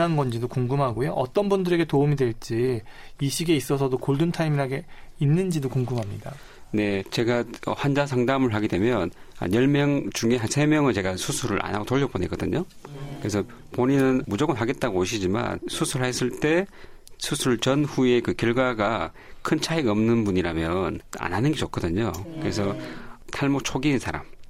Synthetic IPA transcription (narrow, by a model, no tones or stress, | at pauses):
anɡʌnd͡ʑidokuŋɡumɦaɡojoʔʌt͈ʌnbundɯɾe̞ɡe̞toumidwe̞ɭt͡ɕ͈iiɕʰiɡe̞is͈ʌsʰʌdokoɭdɯntʰaimiɾaɡeinːɯnd͡ʑidokuŋɡumɦamɲida | ne̞t͡ɕe̞ɡaʌ̰hand͡ʑas̬ʰaŋdamɯɭɦaɡede̞mjʌna̰jʌɭmjʌŋt͡ɕuŋeɦansʰe̞mjʌŋɯnt͡ɕe̞ɡasʰusʰuɾɯɾʔa̰na̰ɡotoʎːʌbone̞ɡʌdɯ̰ɲo | kɯes̬ʰʌ | poɲinɯnmud͡ʑʌɡɯnɦaɡe̞t̚t͈aɡooɕʰid͡ʑima̰nsʰusʰuɭhes͈ʰɯɭt͈e̞ | sʰusʰuɭt͡ɕʌnhue̞kɯkjʌɭɡwaɡa | kʰɯnt͡ɕʰaiɡʌmnɯnbuɲiɾamjʌna̰nɦanɯnɡe̞t͡ɕok͈ʰʌdɯɲokɯɾesʰʌtʰaɭmok̚t͡ɕʰoɡinsʰaɾa̰m